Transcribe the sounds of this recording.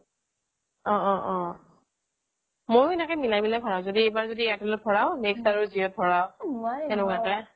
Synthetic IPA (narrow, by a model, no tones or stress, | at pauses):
ɔ̃ʔɔ̃ʔɔ̃ | mojenakɛmilajbilajpʰɔɹaʊ̃zodiebaɹzodiɛtɔlɔt̚pʰɔɹaʊ̃nɛkstaɹuzijɔt̚pʰɔɹawɛnʊkakɛ